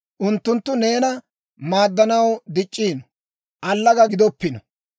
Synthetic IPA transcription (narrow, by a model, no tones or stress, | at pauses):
ʔʊnt̪ːʊnt̪ːʊne̞ːnɐ | maːd̪ːɐnɐwd̪ɪt͡ʃʼːiːnɔ | ʔɐlːɐɡɐɡɪd̪ɔpːɪnɔ